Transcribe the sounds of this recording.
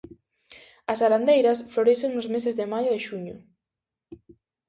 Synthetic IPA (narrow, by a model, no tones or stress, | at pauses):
ɐsaɾand̪ejɾɐsfloɾeseŋnʊzmes̬ezðɪmajʊðeʃuɲʊ